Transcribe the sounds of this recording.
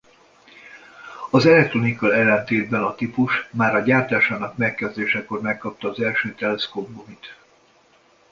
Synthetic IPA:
ɒzɛlɛk̚t̪ro̞nikɒɛlːɛnt̪eːd̪̚bɛnɒt̪ipuʃmaːɾɒɟaːrt̪aːʃaːnɒkmɛkːɛzd̪eːʃɛko̞rmɛkːɒp̚t̪ɒːzɛlʃøːt̪ɛlɛskob̚bomit̪

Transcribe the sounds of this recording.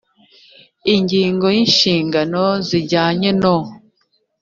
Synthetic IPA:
iɲɟiːŋɡo̞jinʃiːŋɡanoziɟaːɲeno

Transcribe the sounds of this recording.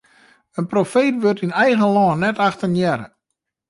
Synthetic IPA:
ənprofeːtʋørtinɛjɣəlɔːnːɛtaxtənjɛɾə̰

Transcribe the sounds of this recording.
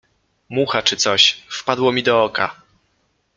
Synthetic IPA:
muxat͡ʂɘt̪sɔɕfpad̪wɔmʲid̪ɔɔka̰

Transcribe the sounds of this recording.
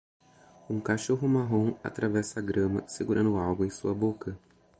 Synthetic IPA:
ũkaʃoɦʊmaɦõw̃a̰t̪ɾavɛsɐːɡɾɐ̃mɐ̰seɡuɾɐ̃nd̪ʊʊawɡʊẽj̃suɐbokɐ

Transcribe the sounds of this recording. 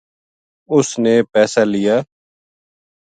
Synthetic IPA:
ʊsneːpɛːsaːlɪjaː

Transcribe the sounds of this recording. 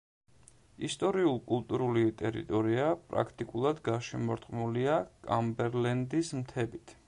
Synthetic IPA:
ist̪ʼɔɾiulˠkʼulˠt̪ʼuɾulit̪ʼɛɾḭt̪ʼɔɾiapʼɾa̰kʰt̪ʼikʼulˠad̪ɡaʃɛmɔɾt̪ʼqʼmuliakʼambɛɾlɛnd̪ismt̪ʰɛbit̪ʰ

